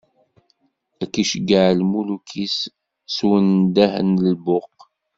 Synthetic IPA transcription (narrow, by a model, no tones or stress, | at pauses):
ækːiʃəɡaʕlmulukʰis | swənd̪æhə̰nəlbʊq